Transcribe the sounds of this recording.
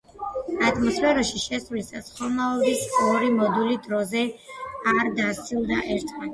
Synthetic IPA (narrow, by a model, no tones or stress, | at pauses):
at̪ʰmɔspʰɛɾɔʃiʃɛsvlisasχɔnaɔd̪isɔɾimɔd̪ulid̪ɾɔzɛaɾd̪at̪sʰilˠd̪aʔɛɾt̪ʰma